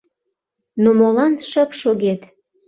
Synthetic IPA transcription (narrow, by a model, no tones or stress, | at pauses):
nomolɑnʃəpʃoɣet̪